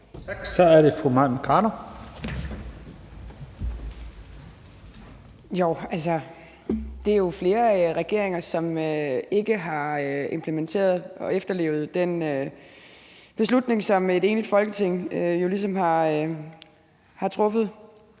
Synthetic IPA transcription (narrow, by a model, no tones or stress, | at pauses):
t͡sʰaɡ̥sɒ̽æɐɾe̝fʁumɑlmkʰɑːno | joʊ̰ælsɐ | d̥e̝æɐjo̝fle̝ːɐʁɛɡ̥e̝̰ɐ̰eŋɐsɒ̽møe̝ɡ̥əɦɑ̈e̝mpʰlement͡sʰe̝̰ːɐð̞ˠɒ̽efd̥ɐle̝ːʊð̞̩ˠd̥enø | b̥e̝slud̥ne̝ŋsɒ̽me̝de̝ːnid̥fɒ̽lɡ̥ət͡sʰe̝ŋ̰øjo̝lisɒ̽mɦɑ̈ | hɑ̈t͡sʰʁɔ̽fð̞̩ˠ